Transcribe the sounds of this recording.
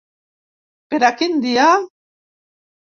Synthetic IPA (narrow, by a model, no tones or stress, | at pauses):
peɾakind̪ia